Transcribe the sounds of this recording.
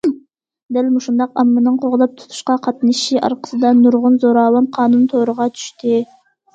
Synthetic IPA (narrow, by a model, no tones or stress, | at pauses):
d̪ælʲmuʃund̪ɑqɑmːɯnɯɴqʰoʁlˠp̚t̪ʰu̥t̪ʰu̥ʃqɑqʰɑt̪ɨnɨʃiʔɑ̰ɾqə̥sɨd̪ɑnuɾʁunzoɾɑːlˠɑnqʰɑːnunt̪ʰoːɾuʁɑt̪ʰy̥ʃt̪i